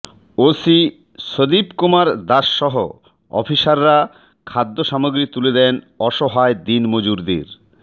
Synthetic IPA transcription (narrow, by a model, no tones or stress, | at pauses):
osi | ʃod̪ipkumaɾd̪aʃːɔɦo̰ | ɔ̰fiʃaɾːa | kʰad̪ːoʃamoɡɾit̪uled̪ɛn | ɔʃoɦaed̪inmod͡ʑuɾd̪ḭɾ